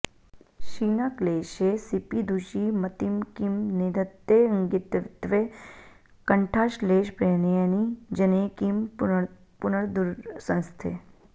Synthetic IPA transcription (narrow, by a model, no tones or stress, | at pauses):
ʃiːnaːkleːʃesipid̪ʱuʃimɐt̪imkimned̪ʱət̪ːeɐŋɡɪt̪ʋɪt̪ʋe | kəɳʈʰaːʃleːʃpɾeːnejənid͡ʒəneːkim | pʊnəɽd̪uɾsə̃nst̪ʰe